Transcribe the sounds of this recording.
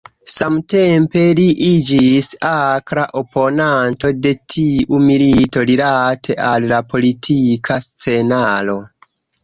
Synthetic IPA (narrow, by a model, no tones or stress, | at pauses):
samte̞mpe̞liʔid͡ʒisakɾaʔo̞po̞nanto̞de̞tʰiʔumilito̞lilatʰe̞ʔalːapo̞litʰikʰast͡se̞nalo̞